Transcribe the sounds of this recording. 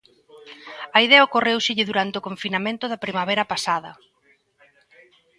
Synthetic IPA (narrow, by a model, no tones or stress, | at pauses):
ɐiðɛɐokorewʃɪʎɪðuɾant̪eokoɱfinamẽnt̪ʊðɐpɾimaβ̞ɛɾɐpasaðɐ̰